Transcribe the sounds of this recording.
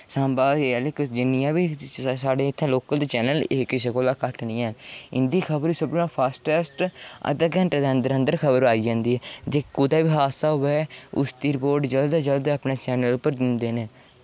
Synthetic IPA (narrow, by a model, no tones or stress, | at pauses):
sãːmbaːeɛlɪksd͡ʒɪnːijãːbiːsaːɖeːɪt̪ʰːãːloːkəld̪eːt͡ʃɛːnəleːkɪs̬eːkoːlaːkəʈnĩːnɪ̰nd̪iːkʰəbəɾiːsəbnãːpʰaːsʈɛːsʈə̰t̪əɡɛ̃ːnʈːd̪eənd̪əɾə̃nd̪əɾkʰəbəɾaːiːd͡ʒãːnd̪iːɦɛːd͡ʒeːkʊd̪aːʋiːɦaːsaːɦʊʋɛːʊ̰st̪iːɾpoːɾɖd͡ʒəld̪ad͡ʒəld̪əːpnaːt͡ʃɛːnəlpəɾd̪ɪnd̪eːneː